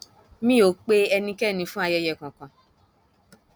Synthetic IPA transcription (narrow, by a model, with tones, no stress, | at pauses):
mĩ˦o˨˦k͡pe˦ɛ˧nĩ˧kɛ˦˨nĩ˧fũ˦a˧jɛ˧jɛ˧˨kã˨kã˨